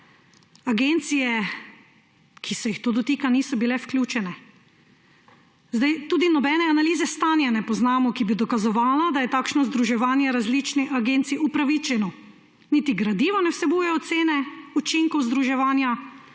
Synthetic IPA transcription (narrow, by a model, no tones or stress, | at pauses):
aɡent̪sijɛ | kʰisɛjixt̪oːd̪ɔt̪iːkaniːsɔbilɛwklʲjuːt͡ʃɛnɛ | zd̪ajt̪uːd̪inɔbɛnɛanaliːzɛst̪aːnjɛnɛpɔznaːmɔkibid̪ɔkazɔʋaːlad̪ajɛt̪aːkʃnɔzd̪ɾuʒɛʋaːnjɛɾazlit͡ʃniʔaɡent̪siupɾaʋit͡ʃɛnɔ | nit̪iɡɾad̪iːʋɔnɛwsɛbuːjɛjɔt̪seːnɛut͡ʃiŋkɔwzd̪ɾuʒɛʋaːnja